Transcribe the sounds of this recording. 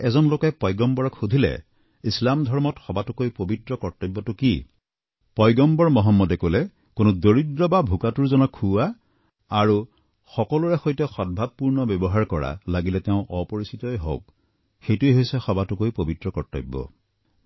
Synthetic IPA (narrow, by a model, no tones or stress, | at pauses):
ɛzɔnlokɛpɔjɡɔmbɔɹɔkxudʱilɛ̰ | islamdʱɔɹmɔtxɔbatukojpobitɹɔkɔɹtɔbːɔtʊki | pɔjɡɔmbɔɹmɔɦɔmːɔdɛkolɛ | konudoɹidɹɔbabʱukatuɹzɔnɔkʰːua | aɹu | xɔkɔluɹɛxojtɔxɔd̚bʱab̚puɹnɔbɔbɔɦaɹkɔɹa̰laɡilɛtɛʊ̃ʔɔpɔɹisʰitɔjɦo̰ʊk̚ | xejtueɦojsɛxɔbatukojpobitɹɔkɔɹtɔ̰bːɔ̰